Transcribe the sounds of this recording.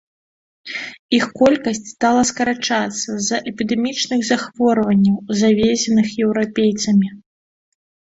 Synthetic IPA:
ixkɔlʲkɐsʲt͡sʲst̪alˠɐskɐɾat͡ʂat̪sːɐzɐʔɛpʲid̪ɛmʲit͡ʂnɨɣzaxvɔɾvɐnʲːɐwzavʲesʲɛnɨxjɛwɾapʲejt̪sɐmʲi

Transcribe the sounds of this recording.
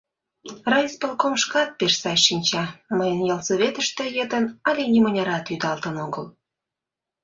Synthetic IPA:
rɑjspəlˠkomʃkɑt̪̚peʃsɑjʃinʲt͡ɕɑməjənjɑlsoβʲet̪əʃt̪ĕjed̪ənɑlʲenʲimənʲɑɾɑt̪yd̪ɑlt̪ənoɣəl

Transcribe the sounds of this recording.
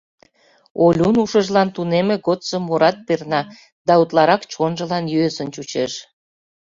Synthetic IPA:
olʲunuʃəʒlɑnt̪unemĕɣot̪səmːoɾɑt̪̚pernɑ | d̪ɑut̪lɑɾɑkt͡ɕonʒə̆lɑnjyesənt͡ɕut͡ɕeʃ

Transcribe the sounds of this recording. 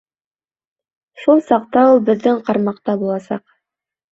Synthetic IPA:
ʃulˠsɑqt̪ɑulˠbɘ̆ðːɘŋqɑɾmɑqt̪ɑbulˠɑsɑq

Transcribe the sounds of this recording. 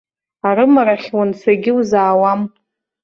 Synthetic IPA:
aɾɨmaraχʲwansaɡʲɪwzaːwam

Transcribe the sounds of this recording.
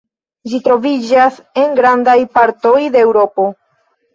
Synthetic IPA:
d͡ʒitɾo̞vid͡ʒase̞ŋɡɾandajpaɾto̞jde̞ːwɾo̞po̞

